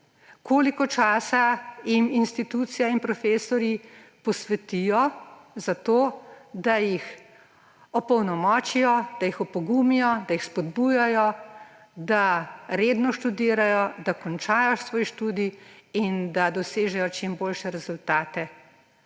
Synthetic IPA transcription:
koːlikɔt͡ʃaːsajiminst̪it̪uːt̪sijainpɾɔfeːsɔɾjipɔsʋɛt̪ijɔzat̪oːd̪ajix | ɔpɔwnɔmɔːt͡ʃijɔd̪̥ajixɔpɔɡumijɔd̪ajixspɔd̪bujajɔ | d̪aɾeːd̪nɔʃt̪ud̪iːɾajɔd̪akɔnt͡ʃaːjɔʃsʋɔːjʃt̪uːd̪iind̪ad̪ɔseːʒɛjɔt͡ʃimboːlʃɛɾɛzult̪aːt̪ɛ

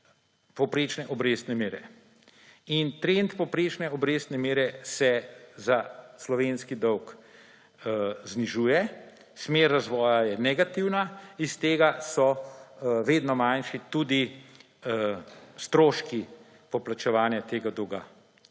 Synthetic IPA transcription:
pɔwpɾeːt͡ʃnɛʔɔbɾeːst̪nɛmeːɾɛ | int̪ɾent̪pɔwpɾeːt͡ʃnɛɔbɾeːst̪nɛmeːɾɛsɛzaslɔʋeːnskid̪ɔwk | zniʒuːjɛ | smeɾːazʋɔːjajɛnɛɡat̪iwnaist̪eːɡasɔ | ʋeːd̪nɔmanʃit̪ud̪i | st̪ɾoːʃki | pɔplat͡ʃɛʋaːnjat̪eːɡad̪ɔwɡa̰

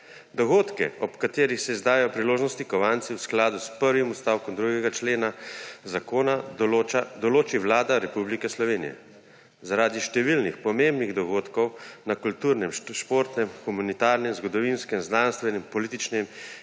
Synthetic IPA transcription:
d̪ɔɣoːt̪kɛ̰ɔpkat̪eːɾixsɛizd̪aːjɛjɔpɾiloːʒnɔst̪ikɔʋant̪siwsklaːd̪uspəɾʋimust̪aːwkɔmd̪ɾuɡɛɡat͡ʃleːnazakoːnaoad̪ɔloːt͡ʃiʋlaːd̪aɾɛpublikɛslɔʋeːnḭjɛ̰ | zaɾaːd̪iʃt̪ɛʋilnixpɔmembniɣd̪ɔɡoːt̪kɔwnakult̪uːɾnɛmʃpoːɾt̪nɛmxumanit̪aːɾnɛmzɡɔd̪ɔʋinskɛmznanst̪ʋɛnɛmpɔliːt̪it͡ʃnɛm

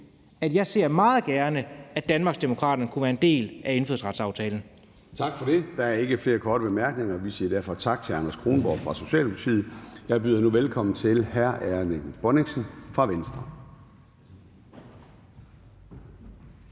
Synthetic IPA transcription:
æd̥jɑ̈ɪse̝ɐ̰mɑ̈ːð̞̩ˠɡ̥æɐnəæd̥ænmɑ̈ɡ̥sd̥emo̝kʰʁɑ̰̈ːd̥ɐnəkʰuʋæːɐe̝nd̥e̝̰ːlʔæe̝nføðˠsʁɑ̈d̥sɑ̈ʊt͡sʰɛːln̩ | t͡sʰɑ̈ɡ̥fɒ̽ɾ̥e̝d̥ɑ̈æɐe̝ɡ̥əfle̝ːɐkʰɒːɾ̥əb̥e̝mæɐɡ̥ne̝ŋɐʋisḭːɐd̥æɐfɒ̽t͡sʰɑ̈ɡ̥̚t͡sʰe̝lɑ̈nɐskʰʁo̝ːnb̥ɒ̰ːfʁɑ̈so̝ɕɛ̰ːlpʰɑ̈t͡sʰḭːð̩ˠjɑ̈ɪb̥yːðˠɐnuʋelkʰɒ̽m̰n̩t͡sʰe̝lhæɐʔæɐneɡ̥̩b̥ɒneŋsn̩fʁɑ̈ʋensd̥ʁɐ

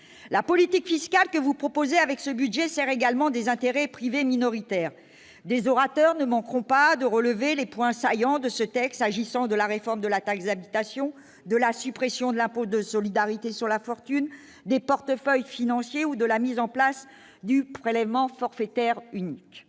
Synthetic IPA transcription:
lapɔlit̪ikfiskalkəvupχɔpozeavɛksəbyd̪ʒɛsɛʁeɡalmɑ̃d̪ezɛ̃t̪eʁɛpχiveminɔʁit̪ɛːʁ | d̪ezɔʁat̪œʁnəmɑ̃kχɔ̃pad̪əʁələvelepwɛ̃sajɑ̃d̪əsət̪ɛkt̪saʒisɑ̃d̪əlaʁefɔʁmd̪əlat̪aksd̪abit̪asjɔ̃ | d̪əlasypχesjɔ̃d̪əlɛ̃pod̪əsɔlid̪aʁit̪esyʁlafɔʁt̪yn | d̪epɔʁt̪əfœjfinɑ̃sjeud̪əlamizɑ̃plas | d̪ypχelɛvmɑ̃fɔʁfɛt̪ɛʁynik

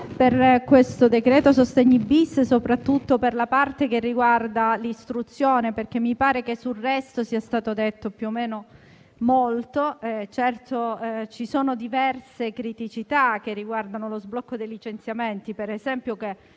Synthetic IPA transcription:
perkwest̪od̪ekɾeːt̪osost̪eɲːibisːsopɾat̪ːut̪ːoperlapart̪ekerːiɡward̪alist̪ɾut̪sːjoːneperk̟emːipaːɾek̟esːulːɛst̪osiːast̪aːt̪od̪et̪ːopjuomːeːno | molt̪oɛt͡ʃɛrt̪ot͡ʃisoːnod̪ivɛrsekɾit̪it͡ʃit̪ak̟erːiɡward̪anolozblɔkːod̪ejlit͡ʃent̪sjament̪ipeɾezɛmpjoke

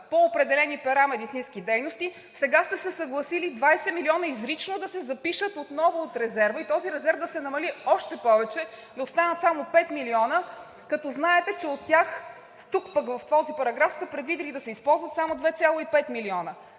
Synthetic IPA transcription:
poːpɾɛd̪ɛlɛnipɛɾamɛd̪it̪sinskid̪ɛjnost̪i | sɛɡast̪ɛsɛsɐɡlˠɐsilid̪vajsɛmiliɔnəizɾit͡ʃnod̪ɐsɛzɐpiʃət̪ot̪nɔvoːt̪ɾɛzɛɾvəit̪ɔziɾɛzɛɾvd̪ɐsɛnɐmɐliɔʃt̪ɛpɔvɛt͡ʃɛ | d̪ɐost̪anət̪samopɛt̪miliɔnə | kɐt̪ɔznaɛt̪ɛt͡ʃɛot̪ːʲjax | st̪ukpəkvɐft̪vɔzipɐɾɐɡɾafst̪ɛpɾɛd̪vid̪ilid̪ɐsɛispɔlˠzvət̪samod̪vɛt̪sʲjalˠoipɛt̪miliɔnə

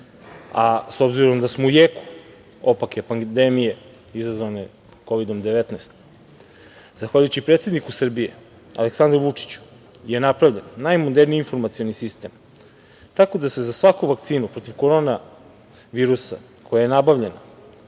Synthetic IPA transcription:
aso̞bziɾo̞md̪asmoujeku̥ | opakjepand̪emije | izazvone | ko̞ʋid̪o̞md̪eʋet̪neːst̪ | zaxʋaʎujut͡ɕipɾet̪se̞d̪nikusr̩bije | a̰le̞ksand̪ɾuʋut͡ʂi̥t͡ɕu̥ | je̞napɾaʋʎenːajmod̪eɾniinfo̞ɾmat̪sio̞nisist̪e̞ːm | t̪ako̞d̪ase̞zasʋakuʋak̚t̪siːnupɾo̞t̪iʋko̞ɾo̞na | ʋiːɾusa | kʰo̞jaje̞nabaʋʎe̞na

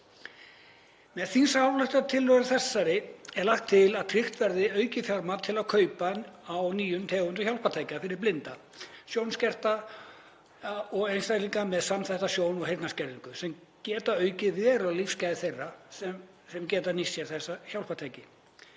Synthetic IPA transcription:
mɛðθinsawlœjht̪at̪ʰɪlːœɣaθɛsːaɾɪɛɾlaht̪ʰːɪlaðt̪ʰɾɪxt̪vɛɾðɪœːɥcɪfjaɾmat̪ʰɪlaðkʰœːɥpaawniːjʏmt̪ʰɛːɣʏnt̪ʏçjawlpat̪ʰajcafɪɾɪɾ̥plɪnt̪a | sjownscɛr̥t̪a | ɔɣejnst̪ajt̪liŋkamɛðsamθajht̪asjoːwnɔɣɦejt̪nascɛɾðiŋkʏsɛmcɛːt̪aœɥcɪvɛɾalifscajðɪθejrːasɛm | sɛmcɛːt̪anisːjɛɾθɛsːaçawlpat̪ʰajcɪ

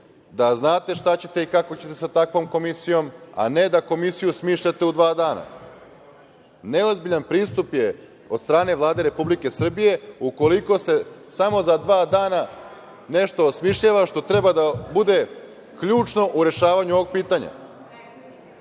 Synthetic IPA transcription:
d̪aznaːt̪e̞ʃt̪at͡ɕe̞t̪e̞ikako̞t͡ɕe̞t̪esat̪akʋo̞mko̞misijo̞ma̰ne̞d̪ako̞misijusmiːʃʎat̪e̞ud̪ʋaːd̪aːna̰ | ne̞ozbiʎanpɾiːst̪upje̞ | o̞d̪st̪ɾaːne̞ʋlˠaːd̪e̞ɾe̞publike̞sr̩bije̞uko̞liko̞se̞samo̞zad̪ʋaːd̪aːna | ne̞ʃt̪o̞ːsmiʃʎaʋaʃt̪o̞t̪ɾe̞bad̪abud̪e̞ | kʎuːt͡ʃno̞ʔuɾe̞ʃaːʋaɲuo̞ʋo̞ɡ̚piːt̪aɲa̰

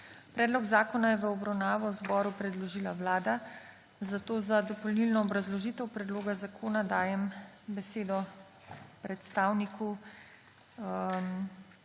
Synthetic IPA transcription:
pɾɛːd̪lɔɡzaːkɔnajɛʋəɔbɾawnaːʋɔwzbɔːɾupɾɛd̪lɔʒiːlaʋlaːd̪a | zat̪oːzad̪ɔpɔlnilnɔːbɾazlɔʒiːt̪ɛwpɾɛd̪loːɡazakʰoːnad̪aːjɛmbɛseːd̪ɔ | pɾɛt̪st̪aːwnikʰu | m

